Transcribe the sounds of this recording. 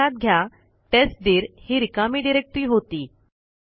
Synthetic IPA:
at̪̚ɡʱja | t̪esʈd̪iːɾhiɾikamiːɖiɾek̚ʈɾiːɦot̪iː

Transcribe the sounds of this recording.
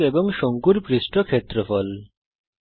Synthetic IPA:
ebɔŋʃoŋkuɾpɾisʈokʰet̪ːɾɔfɔl

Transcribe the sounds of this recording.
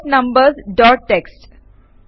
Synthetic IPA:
nɐ̃mbəɾzɖɔːʈ̚ʈeksʈ

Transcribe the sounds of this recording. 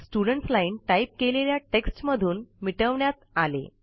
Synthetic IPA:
sʈuɽəɳʈslainʈaip̚keleljaʈeksʈməd̪ʱuːnmiʈəʋɳjat̪alḛ

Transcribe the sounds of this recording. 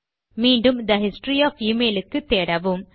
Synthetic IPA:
miːɳɖumd̪ɐɦisʈriaːfiːmeːlɨkːɨt̪eːɽɐʋum

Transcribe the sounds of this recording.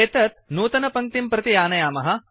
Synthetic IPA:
eːt̪ɐt̪̚nuːt̪ɐnɐpɐŋ̚t̪impɾɐt̪ijaːnɐjaːmɐɦɐ

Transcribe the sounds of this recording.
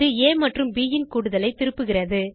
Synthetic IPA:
ɯeːmɐʈrɯmbiːjɪnkuːɽɯðɐlɐɪt̪ːɪɾɯpːɯɣɪrɐðɯ

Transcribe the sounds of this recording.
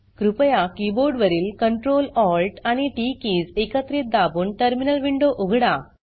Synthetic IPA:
kɾupɐjakiboːɾɖʋɐɾilkɐɳʈɾoːlɔːlʈaniʈikizekɐt̪ɾit̪̚d̪aːbuɳʈɐɾminɐlʋiɳɖoʔuɡʱɐɽa

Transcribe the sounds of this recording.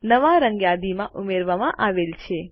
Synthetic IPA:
nəʋaɾəŋɡjad̪imãʔumeɾʋamãʔaʋelt͡ʃʰe

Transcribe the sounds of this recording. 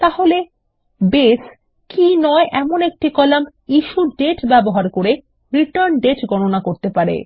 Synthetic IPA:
t̪aɦole | bes | kinɔeʔɛmonek̚ʈikɔlam | iʃuɖeʈbɛboɦaɾkoɾe | ɾiʈaɾnɖeʈɡɔnonakoɾt̪epaɾḛ

